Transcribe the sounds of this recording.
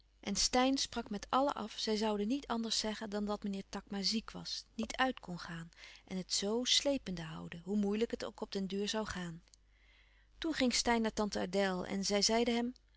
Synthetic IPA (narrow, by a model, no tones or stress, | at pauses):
ʔɛnstɛjnsprɑkmɛtʰɑlə̰ʔɑfsɛjzɑwdənitʰɑndəɹsɛχəndɑndɑtmənɪːɹtɑkmaːzikʋɑ̰snitʰœɥtkɔnχaːnʔɛnɦətsowslejpəndəɦʌ̰wdəɦumujləkɦəto̰wkɔp̚dɛndøːɹzɑwχaːn | tunχɪŋstɛjnːaːɹtɑntəa̰dɛlˠɛ̰nzɛjzɛjdəɦɛm